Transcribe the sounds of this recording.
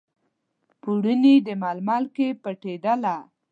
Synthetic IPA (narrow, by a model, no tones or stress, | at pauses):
puɽənid̪əmɑlmɑlkepəʈed̪ala